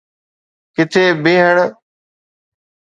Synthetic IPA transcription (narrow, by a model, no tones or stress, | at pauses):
kɪt̪ʰeːbeːɦəɳ